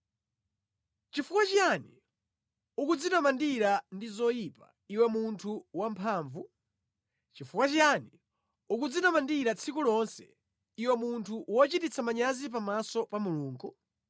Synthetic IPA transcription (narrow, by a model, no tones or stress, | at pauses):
t͡ʃifukwat͡ʃiani | ukud͡zinamandiɾandizɔjipa̰ | iwɛmuntʰuwampʰaːɱvu | t͡ʃifukwat͡ʃijani | uk̬ud͡zinamandiɾat͡sʰikulɔnsɛ̰ | iwɛmuntʰuwɔt͡ʃitit͡sʰamaɲazip̬amasɔpamuluːŋɡu